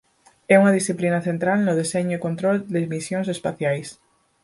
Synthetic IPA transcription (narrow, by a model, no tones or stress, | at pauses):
ɛuŋað̞isθiplinaθent̪ɾalnoð̞eseɲʊikont̪ɾold̪ezmisjõŋs̬espaθjajs